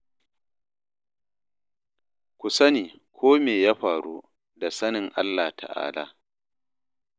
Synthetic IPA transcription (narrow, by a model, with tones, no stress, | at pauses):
kʷʊ˨sɐ˦niː˨kʷʰoː˦meː˨jaː˦ɸaː˨ɽuː˦ | da˨sɐ˦nɪ˨ŋʔa̰˦lːaː˨tʰa̰˨ʔa̰ː˦la̰ː˨